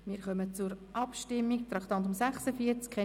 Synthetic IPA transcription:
miːɾχœmət͡suɾʔɑpʃtɪmːikt̪ɾɑkt̪ɑnt̪ʊmsɛχsəfiəɾt͡skʰɛ

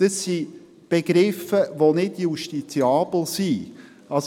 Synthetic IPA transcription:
d̥əsːi | b̥eɡ̥ɾɪfəʋonɪdjuʃtit͡siɑːbl̩si | ɑs

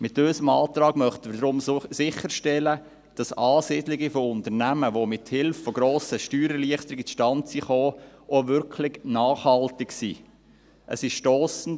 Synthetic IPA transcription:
mɪtøsəmɑːtɾɑːɡ̥mœχtənəɾdɾʊmsɪχːəɾʃtɛlə | d̥ɑsɑːsiːdlɪɡifoʊntəɾnæməʋomɪthɪlffɔɡɾoːsəʃtyːɾəliəχtəɾɪɡit͡sʃtɑntsiχoːʔoʋʏɾkʰlɪɡnɑːχhɑltɪksiː | ʔə̰sɪʃʃtoːsn̩t

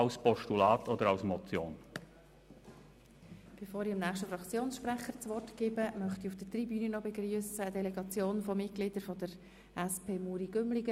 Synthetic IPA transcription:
ɑʊspɔʃtulɑːtʰod̪əɾɑʊsmɔt͡sjoːn | b̥efoːɾiɑmnæːχʃtəfɾɑkt͡sjoːnsʃpɾæχəɾt͡sʋɔrtɡ̥ɪːbəmœχtiufd̥ət̪ribyːnənɔbɛɡryəsəːd̥ɛlɛɡɑt͡sjoːnfɔmɪt̚ɡ̥lɪd̥əɾfɔdəɾ | ɛspʰeːmuːɾiɡ̥ʏmlɪɡə

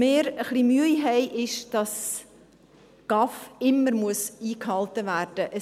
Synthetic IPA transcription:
meːɾəχlimyəjɦɛɪʔɪʃd̥ɑs | ɡ̥ɑfɪmːəɾmuəsiːkhɑltəvæːrd̥əʔə

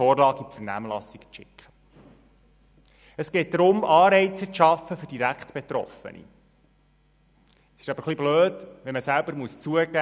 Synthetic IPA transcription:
ɔːrlɑːɡipfəɾnæ̰ːmlɑsikt͡ʃɪ̰kχə̥ | əsɡ̥ɛɪt̚d̪ɾʊmɑːɾɛɪt͡səʃɑfəfɵɾd̥iɾækχtb̥et̪ɾɔ̰fə̰nḭ | sɪ̥ʃɑb̥əɾχlibløːdʋɛməsælbəɾmuəst͡suəɡæ

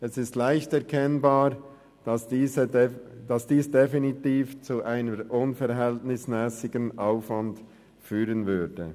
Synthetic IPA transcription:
ɛsɪstlaɪçtɛɐkʰɛnbaː | d̥ɑsiːzə | d̥ɑsd̥iːsd̥efinitiːft͡suʔaɪnəɾʔʊnfɛɾɦɛltnɪsmɛːsɪɡənʔaʊfvɑnd | fyːʁənvʏdə

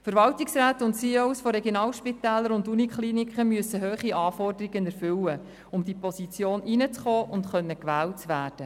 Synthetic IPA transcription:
fəɾvɑltiksɾæːtʊntsiːowsfɔɾeɡjonɑːlʃpitæːlːəɾʊndunikχliːnikχəmyəsːəɦøːχiɑːfɔrdəɾiɡənɛɾfʏwə | ʊmd̥̪ipɔsit͡sjoːninət͡sχɔːʔʊntχœnːəkʋæːlt͡sʋæːɾd̥ə

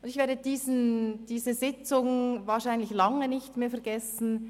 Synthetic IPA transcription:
ʔʊndɪçveːɐdədiːznd̥iːzəzɪt͡sʊŋvaːʃaɪnlɪçlɑŋənɪçtmeːɐfɛɐɡɛsn̩

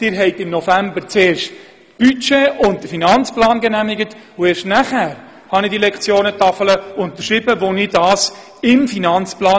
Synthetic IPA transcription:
d̥ɪɾɦɛɪtɪmnofæmbəɾt͡seːɾʃt | b̥yt͡ʃeːʊnt̚d̥əfinɑnt͡splɑːnɡɛnæmɪɡət | ʊeːɾʃtnæχæːɾ | hɑnɪdilɛkt͡sjoːnətɑfələʊnt̪əʃɾɪbəvonɪdɑːs | ɪmfinɑnt͡splɑː

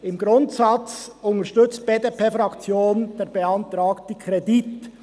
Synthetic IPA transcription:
ɪmɡɾʊntsɑt͡sʊntəʃtʏt͡st̚b̥edepʰeːfɾɑkt͡sjoːnd̥eːɾbeɑntɾɑːktəkʰʁedit

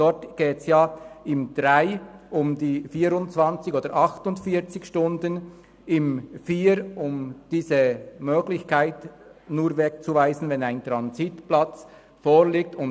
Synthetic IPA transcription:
d̥ɔtɡ̥eːtsjaːɪmd̥ʁaɪʔʊmdiːfiːɾʊntt͡sv̥ɑnt͡sɪçoːdəɾʔɑxtʊntfiːt͡sɪçʃtʊndən | ɪmfiːɾʊmd̥iːzəmøːɡlɪçkʰaɪtnuːɾvɛk̚t͡suvaɪzənvɛnaɪntʁɑnzitplat͡s | foːliːk̚tʊn

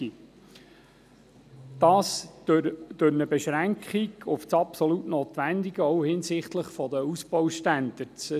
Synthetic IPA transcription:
i | d̪̥ɑːs | d̥øɾnəbɛʃɾæŋkχiɡʊft͡sɑpsɔlutnoːt̪ʋænd̪iɡəɔʊhɪnsɪχt̪ləχfɔd̪əusbɔwʃtænd̪̥əɾt͡s

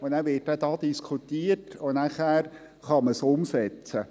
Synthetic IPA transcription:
onæːʋɪt̚ːɛdɑːd̥̪iskʰutiːətonæχæːɾ | χɑməsʊmsɛt͡sə

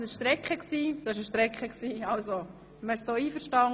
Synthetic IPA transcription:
sɪʃʃtɾɛkχəksiːd̥uɪʃəʃtɾɛkχəksiːɑlso | məɪʃsoːiːfəɾʃtɑŋ

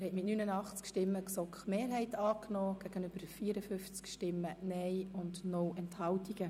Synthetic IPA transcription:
ɛɾhɛtmɪtnynənɑχt͡skʃtɪmːəksɔkχmeːɾɦɛɪtɑːknɔːɡ̥æɡ̥ənʏbəɾfiːəɾəfʏft͡skʃtɪmːənɛjʊndnɔwɛnthɑwtiɡə

